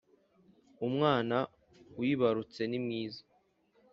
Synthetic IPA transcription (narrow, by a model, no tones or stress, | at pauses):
umŋaːna | wjiβaɾut͡se̞nimŋiːzḁ